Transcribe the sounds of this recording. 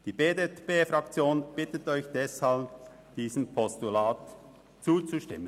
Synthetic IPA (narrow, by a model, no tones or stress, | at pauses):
d̥iːbeːdetpeːfʁɑkt͡sjoːnb̥ɪtətɔʏçd̥ɛshalb | d̥iːzəmpʰɔstulaːt | t͡suːt͡suʃtɪ̰mən